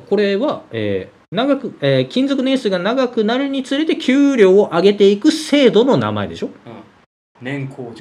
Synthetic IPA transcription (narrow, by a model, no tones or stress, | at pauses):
ko̞ɾe̞βaḛː | naɡakɯ̟ekʲĩnd͡zo̞kɯ̟ne̞ɰ̃sɨːɡanaɡakɯ̟naɾɯ̟ɲ̟it͡sɨɾe̞t̪e̞kʲʰɨːɾʲo̞ːʔaɡe̞t̪e̞ikɯ̟se̞ːd̪o̞no̞na̰ma̰e̞d̪e̞ɕo̞ | nẽŋkʰo